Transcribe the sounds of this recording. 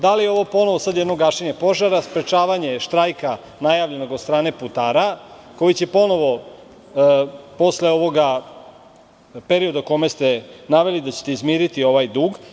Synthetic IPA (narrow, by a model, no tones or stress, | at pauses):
d̪alijeo̞ʋo̞po̞no̞ʋosad̪jɛd̪no̞ɡaːʃeɲe̞po̞ʒaɾaspɾe̞t͡ʃaːʋaɲe̞ʃt̪ɾajka | najaʋʎe̞noɡod̪st̪ɾaːne̞put̪aːɾa | ko̞jit͡ɕe̞po̞no̞ʋo̞ | po̞sleo̞ʋo̞ɡa | peɾio̞d̪ako̞me̞st̪enaʋe̞lid̪at͡ɕet̪eizmiːɾit̪io̞ʋajd̪uːɡ